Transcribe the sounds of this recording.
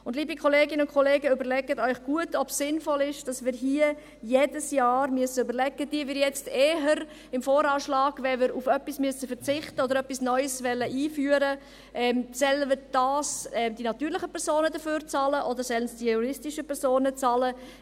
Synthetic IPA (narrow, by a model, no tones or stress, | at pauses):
ʊndliːbikʰɔleːɡɪnəʊnkʰɔleːɡəʏbəɾlɛɡətœʏχɡ̥uətʰɔpsɪnfɔlɪʃd̥ɑsmɪːɾɦiːə | jeːdəsjɑːɾmyəsəybəɾlɛɡːəd̥iəvɪɾjɛt͡steːɦəɾ | ɪmfoːɾɑːʃlɑːɡ̥ʋɛmɪɾufœpːismyəsəfəɾt͡sɪχtəɔdəɾœpːisnœʏsvɛlːəʔiːfyːəɾə | ʔɛːmsɛlːəmɪɾd̥ɑːsɛmdinɑtyːɾlɪχəpʰɛɾzoːnədəføːɾt͡sɑːləʔɔdəɾsɛlənsd̥ijuɾɪstɪʃəpʰɛɾzoːnət͡sɑlə